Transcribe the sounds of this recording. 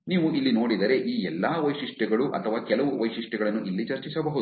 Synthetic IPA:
niːʋuʔilːino̞ːɽid̪ɐɾe̞ʔiːɛlːaːʋɐjʂiʂʈɛɡɐɭuʔɐ̰t̪ʰɐʋaːkɛlɐʋuʋɐjʂiʂʈɛɡɐɭɐnːuʔilːit͡ʃɐɾt͡ʃisɐbɐɦud̪

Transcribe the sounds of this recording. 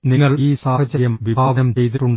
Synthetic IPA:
niŋːɐɭiːsaːhɐt͡ɕːɐɾjɐmʋibʱaːʋɐnɐmt͡ɕejt̪̬iʈːuɳɖ

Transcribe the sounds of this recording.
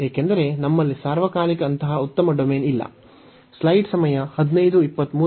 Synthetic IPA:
ɦeːkend̪ɐɾe̞nɐmːɐlːisaːɾʋɐkaːlikɐːnt̪ɐɦɐut̪ːɐmɐɖomeːnilːɐ̰ | slɐjɖsɐmɐjɐhɐd̪inɐjd̪uipːɐt̪ːmuː

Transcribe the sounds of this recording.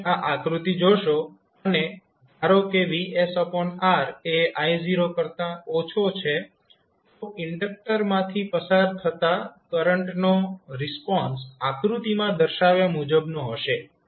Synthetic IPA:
aʔakɾut̪id͡ʒoʃo | əne | d̪ʱaɾokeʋiesɔpɔɳaɾeajziɾokəɾt̪ãot͡ʃʰot͡ʃʰe | t̪oʔɪɳɖək̚ʈəɾmãt̪ʰipəsaɾt̪ʰət̪akəɾəɳʈnoɾɪspɔnsakɾut̪imãd̪əɾʃaʋjamud͡ʒəbnoɦəʃe

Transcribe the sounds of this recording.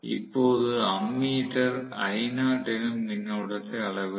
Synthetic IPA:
ḭpːoːðɯɐmːiːʈːɐɾɐjɪnaːʈːɪlɯmnɪnːɐɯɽɐt̪ːɐɐɭɐʋɯ

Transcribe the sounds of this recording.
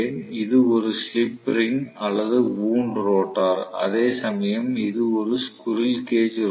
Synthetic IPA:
eːnɪðɯɔɾɯslɪpːɾɪŋɐlːɐðɯʋuːɳɖɾoːʈːaːɾɐ̰ðeːsɐmɐjɐmɪðɯɔɾɯskʊɾɪlkeːd͡ʒ

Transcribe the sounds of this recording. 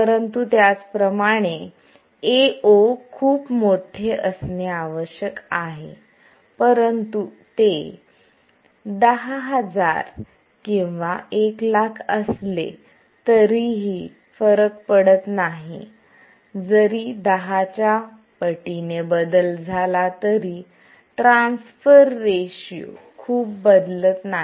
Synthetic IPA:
pəɾənt̪ut̪jat͡spɾəmaɽ̃e | eokʰuːpmoʈʰeʔəsneaʋəɕjəkaɦḛ | pəɾənt̪u | t̪e | d̪əɦaɦəd͡za̰ɾ | kĩw̃ʋaeklakʰəslḛ | t̪əɾiɦiː | fəɾək̚pəɽət̪naɦḭ | d͡zəɾiːd̪əɦat͡ɕja | pəʈinebəd̪əld͡zʱalat̪əɾi | ʈɾãnsfəɾːeɕiṵ | kʰuːp̚bəd̪lət̪na

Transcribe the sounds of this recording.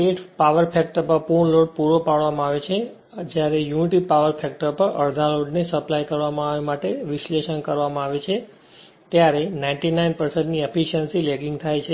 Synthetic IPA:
eʈʰpaʋəɾpʰɛk̚ʈəɾpəɾpuɳloɖpuɾopaɭʋamãaʋet͡ʃʰe | d͡ʒjaɾejuniʈipaʋəɾpʰɛk̚ʈəɾpəɾʔə̰ɾd̪ʱãloɖnesəplajkəɾʋamãaʋemaʈeʋɪʃleʃənkəɾʋamãaʋet͡ʃʰe | t̪jaɾenaĩɳʈinainpəɾsə̃ɳʈniepiʃənsileɡiŋɡt̪ʰajt͡ʃʰe

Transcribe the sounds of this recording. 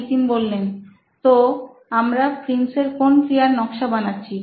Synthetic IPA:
ʈiŋbolːen | t̪o | amɾapɾinseɾkonkɾijaɾnɔkʃabanatːɕʰi

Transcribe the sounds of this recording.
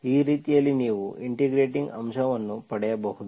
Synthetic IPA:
iːɾiːt̪ijɐlːiniːʋuiɳʈiɡɾeːʈiŋɡɐmʃɐʋɐnːupɐɽɛjɐbɐhud̪u

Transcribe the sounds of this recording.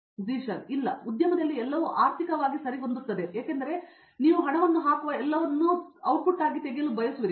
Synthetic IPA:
ziːʃɐnilːɐud̪jɐmɐd̪ɐlːiɛlːɐʋuʔaːɾt̪ʰikɐʋaːɡisɐɾiɦond̪ut̪ːɐd̪e̞jaːkend̪ɐɾe̞ | niːʋuɦɐɳɐʋɐnːuɦaːkuʋɐɛlːɐʋɐnːuɐwʈ̚puʈaːɡit̪eɡejɐlubɐjɐsuʋiɾi

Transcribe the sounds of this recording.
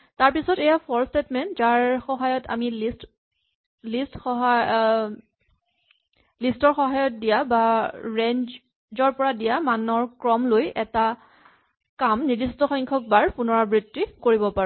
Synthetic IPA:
taɹpisɔtɛjapʰɔɹstetmɛntzaɹxɔɦajɔta̰milist | listxɔɦa | listɔɹxɔɦajɔt̚dijabaɹend͡ʒ | zɔɹpɔɹadijamanɔɹkɹɔmlojɛta | kamnidistɔxɔŋkʰɔk̚baɹpunɔɹabɹitːikoɹibɔpaɹu

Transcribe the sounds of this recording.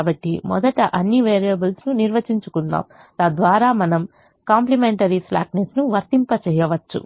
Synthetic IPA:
bɐʈːimɔ̰d̪ɐʈɐʔɐnːiʋeːɾijɐbɐlsnuniɾʋɐt͡ʃiɲt͡ʃukund̪a̰ːm | t̪ɐd̪ʋaːɾaːmɐnɐm | kaːmplimeɳʈɐɾisla̰ːknesnuʋɐɾt̪impɐt͡ʃɛːjɐʋɐt͡ʃːṵ

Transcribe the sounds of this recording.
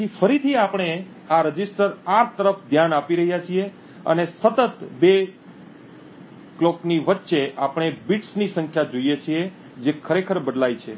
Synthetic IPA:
ifəɾit̪ʰiapɽ̃e | aɾəd͡ʒisʈəɾaɾt̪əɾəfd̪ʱjanapiɾəɦjat͡ʃʰie | ə̰nesət̪ət̪be | klokniʋət̪ːʃeʔapɽ̃ebiʈsnisə̃ŋkʰjad͡ʒoijet͡ʃʰie | d͡ʒekʰəɾekʰəɾbəd̪lajt͡ʃʰe

